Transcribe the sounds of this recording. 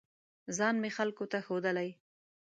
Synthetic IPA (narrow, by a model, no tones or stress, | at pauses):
zɑnmexalkot̪axod̪əlaj